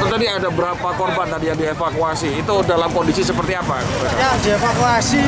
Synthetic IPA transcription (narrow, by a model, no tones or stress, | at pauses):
t̪at̪adiadabəɾapakɔrbant̪adijaŋdiefakuasiːt̪udalamkondisisəpərt̪iapakaaadiefakuasi